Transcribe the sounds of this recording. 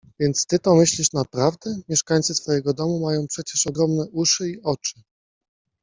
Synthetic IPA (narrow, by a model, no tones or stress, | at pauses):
vʲjɛnt̪st̪ɘt̪ɔmɘɕlʲiʂnapɾavd̪ɛmʲjɛʂkaɲt̪sɘsfɔjɛɡɔd̪ɔmumajɔ̃w̃pʂɛt͡ɕɛʂɔɡɾɔmnɛʔuʂɘiɔt͡ʂɘ̥